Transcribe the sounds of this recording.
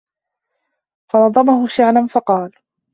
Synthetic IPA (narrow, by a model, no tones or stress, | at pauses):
fɑnɑd̪ˤɑmahʊʃaʕlanfɑqɑːl